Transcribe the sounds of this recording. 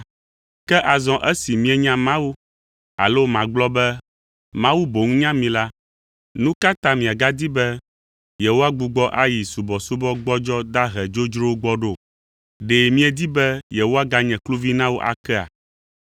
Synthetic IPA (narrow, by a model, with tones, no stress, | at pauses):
kɛ˦ʔa˨zɔ̃˨ʔɛ˦si˨mĩ˦ɛ˨ɲã˦mã˦wu˦ | a̰˨lo˦mã˨ɡ͡blɔ˦bɛ˦ | mã˦wu˦bo˨ŋũ˦ɲã˦mĩ˨la˦ | nũ˦ka˦t̪ã˦mĩ˨a˨ɡa˦d̪i˦bɛ˦ | je˨wo˦a˦ɡ͡bu˨ɡ͡bɔ˦ʔa˦ji˨su˨bɔ˨su˦bɔ˦ɡ͡bɔ˦d͡ʒɔ˦d̪a˦ɦɛ˨d͡ʒo˦d͡ʒɾo˦wɡ͡bɔ˦ɖo˦˨ | ɖe˨mĩ˦ɛ˨d̪i˦bɛ˦jɛ˨wo˦a˦ɡa˦ɲɛ̃˨klu˦vi˦nã˦wo˦ʔa̰˨kɛ˦a̰˨